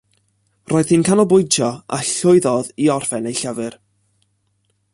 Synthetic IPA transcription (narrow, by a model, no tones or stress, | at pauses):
rʔoːjð̥hinkʰanɔbʊjtʰɔa̰ɬʊɨðɔðiɔrfɛnejɬəvɨr